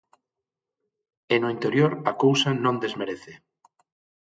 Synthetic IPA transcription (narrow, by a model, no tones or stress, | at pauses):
enoint̪eɾjoɾakowsanõnd̪ezmeɾeθe